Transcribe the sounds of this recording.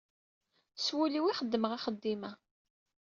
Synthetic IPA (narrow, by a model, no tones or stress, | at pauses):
swuliwiχəd̪ːəməʁaχəd̪ːimæ